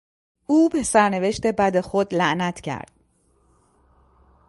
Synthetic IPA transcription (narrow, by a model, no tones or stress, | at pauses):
uːbe̞sæɾne̞ve̞ʃt̪e̞bæd̪e̞xod̪læʔnæt̪ʰcʰæ̰ɾd̪̥̚